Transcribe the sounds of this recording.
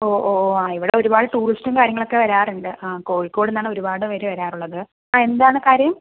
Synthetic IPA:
o̞ːʔoːaːiʋiɽeo̞ɾubaːɽɨʈuːristumkaːɾjɐŋːɐɭokːe̞ʋɐɾaːruɳɖɨʔako̞ːɻikːo̞ːɽenːaːɳɨo̞ɾubaːɽɨʋɐɾeʋɐɾaːruɭːɐðɨ | aːe̞nd̪aːɳɨkaːɾjɐm

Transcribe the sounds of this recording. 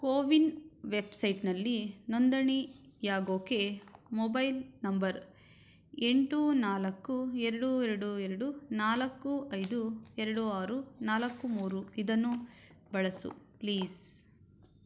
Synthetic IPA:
koːʋinʋebsɐjʈnɐlːinond̪ɐɳijaːɡoːke̞mɔbɐjlnɐmbɐɾ | e̞ɳʈunaːlɐkːuɛɾɐɽuɛɾɐɽuɛɾɐɽunaːlɐkːuʔɐjd̪uɛɾɐɽuaːɾunaːlɐkːumuːɾuid̪ɐnːu | bɐɭɐsṵpliːs

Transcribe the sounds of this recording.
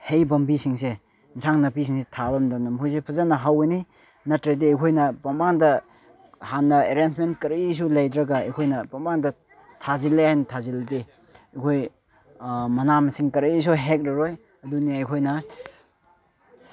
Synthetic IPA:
hejbɐmbisiŋs̬e | nsaŋnɐpis̬iŋsetʰabɐmdanɐmpʰujs̬epʰɐzanɐɦaweni | nɐtɾedeɐjkʰojnɐpɐmbaŋdɐ | hanːɐeɾensmentkɐɾis̬ulɐjdɾɐɡɐɐ̰jkʰojnɐpɐmbaŋdɐ | tʰazilːejnɐtʰazilde | ɐjkʰoj | mɐnamsiŋkɐɾis̬uɦek̚ɾɐɾoj | ɐduniɐjkʰojnɐ

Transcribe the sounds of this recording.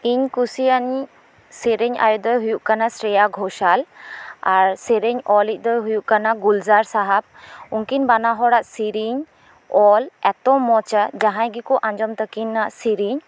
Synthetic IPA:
iɲkusiani | siɾeɲa̰jɔd̪ɔɦujuʔkanasɾɛjaɡʱɔʃalaɾsɛɾeɲɔlic̚ˀd̪ɔɦujuʔkanaɡulzaɾsaɦap̚unkinbanaɦɔɽaʔsiɾiɲ | ɔlɛt̪ɔmːɔt͡ʃad͡ʒaɦãjɡikɔʔãɲd͡ʒɔmt̪əkinːaʔsiɾiɲ

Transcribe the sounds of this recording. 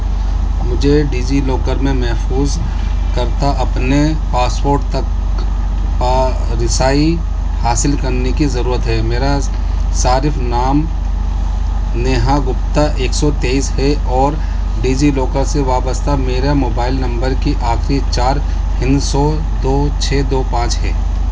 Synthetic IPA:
mʊd͡ʒʱeɖiːd͡ʒiloːkəɾmẽmɛɦfuːz | kɐɾt̪aʔɐpne | paːswoːɾɖt̪ɐk | ɾɪsaːi | haːsɪlkɐɾnekizɐɾuːɾət̪ɦɛmeːɾa | saːɾɪfnaːm | neːɦaɡʊpt̪aʔeːksɔt̪eːiːsɦɛʔɔːɾ | ɖiːd͡ʒiloːkəɾseʋaːbəst̪ameːɾamoːbaːɪlnɐ̃mbəɾkiʔaːkʰɾit͡ʃaːɾ | pɪ̃nsɔ | d̪oː | t͡ʃʰɛːd̪oːpãːt͡ʃɦɛː

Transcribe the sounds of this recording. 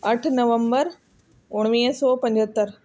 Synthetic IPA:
ɐʈʰnɐʋə̃mbəɾ | ʊɳ̃ʋiːəsoːpɐ̃ɲd͡ʑʱɦət̪ːəɾ

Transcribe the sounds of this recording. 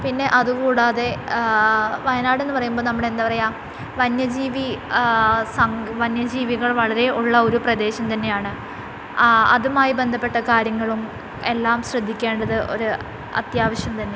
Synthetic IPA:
pinːe̞ʔɐðukuːɽaːðe̞ | ʋɐjɐnaːɽe̞nːɨpɐrɐjumboːnɐmːuɽend̪aːpɐrɐjaːm | ʋɐnjɐd͡ʑiːʋi | sɐŋʋɐnjɐd͡ʑiːʋiɣɐɭʋɐɭɐɾe̞ʔuɭːɐo̞ɾuprɐd̪e̞ːɕɐmt̪ɐnːe̞jaːɳɨ | ɐ̰ðumaːjibe̞nd̪ʱɐpːe̞ʈːɐkaːɾjɐŋːɐɭum | e̞lːaːmɕrɐd̪ʱːikʲːe̞ːɳɖɐðɨʔo̰ɾu | ɐ̰t̪jaːʋɐɕjɐmt̪ɐnːe̞

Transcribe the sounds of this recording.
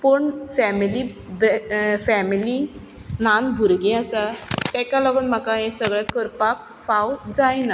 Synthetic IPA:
pəɳfɛmili | bfɛmili | nanbʱuɾɡẽasat̪ɛ̃kalɔɡənm̤akaɛ̃səɡɭjat̪kəɾpak̚ | fawd͡zajna

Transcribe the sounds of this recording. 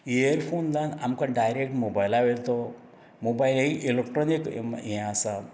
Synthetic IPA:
ejəɾpʰoːnd̪ãnamkaɖajɾek̚ʈmobajlaʋelt̪o | mobajleiʔelekʈɾonikjẽasa

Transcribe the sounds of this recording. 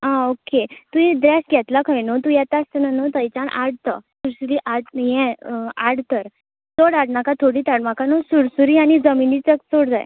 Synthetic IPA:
aoket̪uĩd̪ɾɛsɡʱɛt̪lakʰəjnot̪ujɛt̪ast̪ənanot̪əjt͡ɕaɳa̰ɽt̪ə̰suɾsuɾiʔaɽjɛ̃aɽt̪əɾ | t͡soɽaɽnakat̪ʰoɽiːt̪aɽmakanosuɽsuɾiaɽ̃id͡zəminit͡sək̚t͡soɽd͡za̰j

